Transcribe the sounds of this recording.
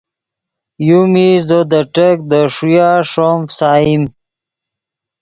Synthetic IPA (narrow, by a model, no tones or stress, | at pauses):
jumizod̪əʈək̚d̪əʂujaʂomsaːim